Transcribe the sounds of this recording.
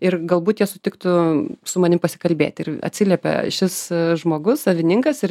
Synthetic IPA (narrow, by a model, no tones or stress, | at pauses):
ɪɾɡɐlˠbuːt̪jiɛsʊt̪ʲɪkt̪ʊsʊmɐnʲɪmpɐsʲɪ̥kɐlʲbʲeːt̪ʲɪɾɐ̰t̪ʲsʲɪlʲiɛpʲɛ̰ʃʲɪsʒmoːɡʊssɐʋʲɪnʲɪŋkɐsɪ